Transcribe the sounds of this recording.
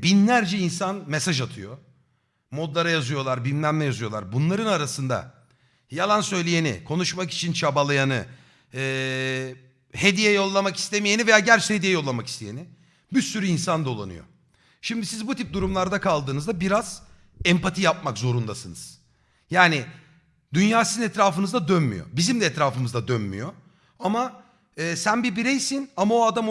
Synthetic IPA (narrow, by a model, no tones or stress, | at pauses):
binlʲæɾd͡ʒɛinsanmesaʒat̪ʰɯjo̞ | mo̞d̪lˠaɾajazɯjo̞lˠaɾbimlʲæmlʲɛjazɯjo̞lˠa̰ɾbunlˠaɾɯnaɾasɯnd̪a̰ | jalˠansø̞jlʲije̞nḭkʰo̞nuʃmaki̥t͡ʃʰint͡ʃʰabalˠajanɯː | hed̪ijɛjo̞lˠːamaki̥st̪ʰemijenive̞jaːɟæɾt͡ʃɛhed̪ijɛjo̞lˠːamaki̥st̪ʰejenɪ | bisyɾyinsand̪o̞lˠa̰nɯ̰jo̞̰ | ʃimd̪isizbut̪ip̚d̪uɾumlˠaɾd̪akʰalˠd̪ɯːnɯzd̪abiɾaz̥ | ɛmpat̪ʰijap̚makzo̞ɾund̪asɯnɯ̰z̥ | jaːni | d̪ynjaːsizinɛt̪ɾaːfɯnɯzd̪ad̪ønmy̰jo̞̰bizimd̪ɛɛt̪ɾaːfɯmɯzd̪ad̪ønmy̰jo | ama | ɯːsænbibiɾɛjsinamaoad̪am